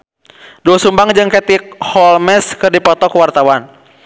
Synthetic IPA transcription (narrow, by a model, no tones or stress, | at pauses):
duasumbaŋd͡ʒɨŋkɛt̪ɪk̚hɔlmɛskɨrdipɔt̪ɔkəwart̪awan